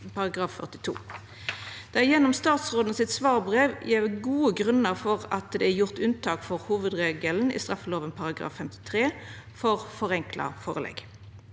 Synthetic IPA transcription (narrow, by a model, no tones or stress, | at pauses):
pɑʁɑɡʁɑːffœ̰ʁt̪ɪ̥t̪ʰṵː | d̪̥ɛjɛnːɔmst̪ɑːt̪sʁoːd̪nəsɪt̪sʋɑːʁbʁeːʋjɛʋɡuːəɡʁʉnəʁfɔʁɑt̪d̪ɛæʁjʊʁt̪ʉnt̪ʰɑːkfɔʁhuːʋəd̪ʁeːɡəln̩ɪ̰st̪ʁɑfəloːʋənpʰɑʁɑɡʁɑ̰ːfːɛmt̪ɪ̥t̪ʰʁeː | fɔʁfɔʁɛŋkʰlɑ̰foːʁəlɛ̰ɡ